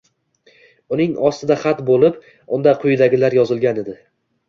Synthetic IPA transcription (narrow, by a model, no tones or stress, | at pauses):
ʊnɪŋɒst̪ɪd̪aχat̪bolˠɪp | ʊnd̪aqʰʊjɪd̪aɡʲɪlaɾjɒzɪlˠɡʲaned̪ɪ